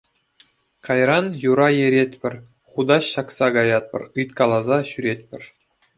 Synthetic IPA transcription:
kɑjrɑnjuɾɑjeɾʲetʲpʲɘ̆rʲ | χud̪ɑɕːɑksɑɡɑjɑt̪̚pʲɤ̰̆rɯjt̪kɑlˠɑzɑɕyɾʲet̪̚ʲpʲɘ̆rʲ

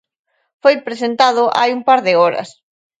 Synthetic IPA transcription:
fojpɾesent̪aðʊʔa̰jumpaɾðɪɔɾɐ̰s

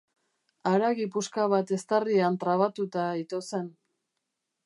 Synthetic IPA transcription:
aɾaɣipuskaβat̪e̞st̪ariant̪ɾaβat̪ut̪ait̪ose̞n

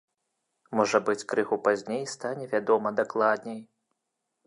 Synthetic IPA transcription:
mɔʐɐbɨt͡sʲkɾɨɣupazʲnʲejst̪anʲɛvʲad̪ɔmɐd̪aklˠad̪̚ʲnʲej

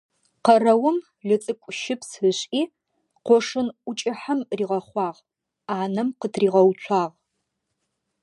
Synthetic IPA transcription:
qɐrɐwʊm | ɮɨt͡sʼɨkʷʼʊʃɪpsɨɕʼʔiː | qʷɔʂɨnʷʊt͡ʃʼɪħamriːʁɐχʷɑːʁ | aːnɐmqətʰriːʁɐwt͡ʃʷʰɑːʁ

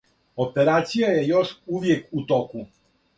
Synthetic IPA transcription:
opɛɾat̪sijajɛjɔʂuvjɛkut̪ɔku

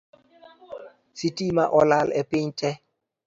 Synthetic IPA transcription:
sitʼimaʔɔlalɛpʼeɲt͡ʃʼɛ

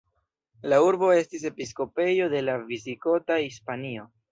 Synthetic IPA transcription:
lauɾbo̞e̞stis̬e̞pisko̞pe̞jo̞de̞lavisiko̞tahispanio̞

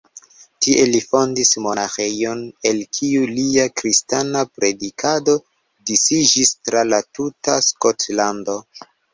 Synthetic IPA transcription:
tiʔe̞lifo̞ndismo̞naxejo̞ne̞lkʰiuliakɾistanapɾe̞dikʰado̞ | disid͡ʒistɾalatutaskotlando̞

